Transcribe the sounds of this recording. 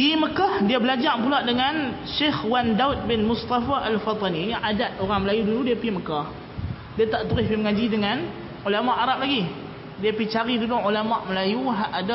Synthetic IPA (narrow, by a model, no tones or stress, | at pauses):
iməkahdiabəlad͡ʒaʔpulaʔdəŋanʃexwandaut̪̚bɪnmʊst̪afaʔalfat̪ˤɑniʔadat̪̚oɾaŋməlajuduludiapiməkah | diat̪aʔt̪uɾɪhpiməŋad͡ʒidəŋan | ulamaʔaɾap̚laɡi | diapit͡ʃaɾidudʊŋulamaʔməlajuɦaʔada